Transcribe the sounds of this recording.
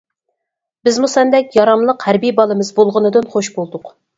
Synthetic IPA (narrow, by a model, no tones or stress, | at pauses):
bɪzmusɛnd̪ɛkʲjɑɾɑmlˠəqhæɾbijbɑlˠɨmɨzbolˠʁənɨd̪ɨnχoʃbolˠd̪ʊq